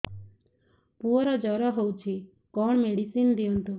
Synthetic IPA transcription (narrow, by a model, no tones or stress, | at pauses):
puɔɾad͡ʒɔɾaɦowt͡ʃʰi | kɔɳmeɽisind̪iunt̪u